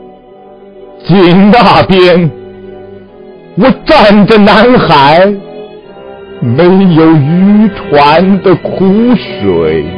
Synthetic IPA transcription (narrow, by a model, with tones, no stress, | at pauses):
t͡ɕi˧˥nt̪a˥˩pjɛ˥n | wɔ˨˩ʈ͡ʂa˥˩ndə˨na˧˥nxa˧˥ɪ | me˧˥ɪjo˨˩ʊy˥t̪ʰwa˧˦nd̪ə˨kʰu˥ʂwe˨˩˦ɪ